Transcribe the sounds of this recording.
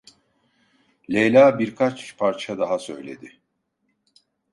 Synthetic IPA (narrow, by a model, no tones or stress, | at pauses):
lʲejlʲaːbiɾkʰat͡ʃpʰaɾt͡ʃʰad̪aɦasø̞̰jlʲe̞̰d̪ɪ